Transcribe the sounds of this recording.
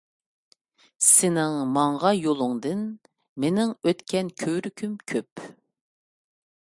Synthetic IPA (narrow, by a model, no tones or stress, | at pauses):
sɪnɪŋmɑŋʁɑjolˠʊŋd̪ɨn | menɪŋøt̪kʲʰɛnkʲʰøwɾykʲʰymkʲʰøp